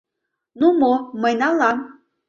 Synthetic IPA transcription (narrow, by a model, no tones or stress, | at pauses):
numoməjnɑlɑm